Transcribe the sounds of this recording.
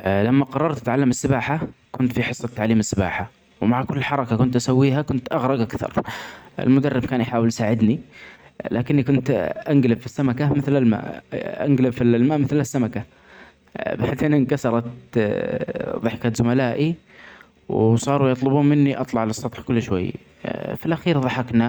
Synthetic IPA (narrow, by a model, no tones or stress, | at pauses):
lamːaqɑɾˤːɑɾˤt̪at̪ʕalːamɪsːɪbaːħakʊnt̪fiħɨsˤːɑt̪ːaʕliːmɪsːɪba̰ːħa | wmaʕkʊlːlħɑɾˤɑkakʊnt̪ʔasawːiːɦakʊnt̪ʔɑɣɾˤɑɡʔakθɑ̰ɾˤʔɪ̰lmʊd̪arːɪb̚kaːnjħaːwɪlʔsaːʕɪd̪ni | laːkɪnːikʊnt̪ʔaŋɡlɪbfisːamakamɪθlalma̰ːʔʔa̰ŋɡlɪbfillmaːʔmɪθlasːamaka | baʕd̪eːnɪnkasɑɾˤɑt̪ | ðˤɨħkazʊmalaːʔi | wsˤɑːɾujɑt̪ˤlʊbuːmɪnːiʔɑt̪ˤlɑʕlɨsˤːɑt̪ˤħkʊlːʃwa̰jː | fɪlʔaxiːɾðˤɑħɑkna